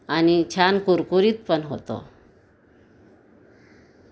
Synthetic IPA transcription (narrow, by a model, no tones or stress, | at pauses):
anit͡ɕʰankuɾkuɾiːt͡s̪pəɳɦo̰t̪o̰